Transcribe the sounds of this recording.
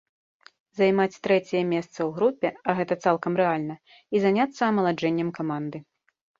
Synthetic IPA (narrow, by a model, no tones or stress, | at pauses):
zajmat͡sʲt̪ɾɛt͡sʲɛjɛmʲɛst̪sɐwɣɾupʲːɛɐɣɛt̪ɐt̪salˠkɐmɾɛalʲnɐ | izanʲat̪sːɐːmɐlˠad͡ʐɛnʲːɐmkamand̪ɨ